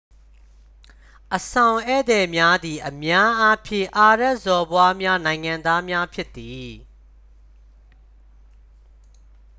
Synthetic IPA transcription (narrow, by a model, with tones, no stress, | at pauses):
ʔəsã˨ʊ̃ʔɛ̰˦˨d̪ɛ˨mja˦d̪i˨ʔəmja˦ʔa˦pʰjɪ̰̃˦˨ʔa˨ɹɛ˦˨ʔzɔ˨bwa˦mja˦nã˨ɪ̃ŋã˨nd̪a˦mja˦pʰjɪ˦t̪ːi˨